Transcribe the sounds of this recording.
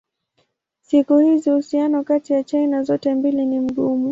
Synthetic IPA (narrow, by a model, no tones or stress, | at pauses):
sikuhizihusianɔkatijat͡ʃajnazɔtɛmbilinim̩ɠumu